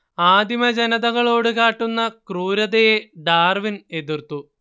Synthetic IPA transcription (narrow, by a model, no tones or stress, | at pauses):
aːd̪imɐd͡ʑenɐðɐɣɐɭo̞ːɽɨkaːʈːunːɐkruːɾɐðejeɖaːrʋine̞ðirt̪u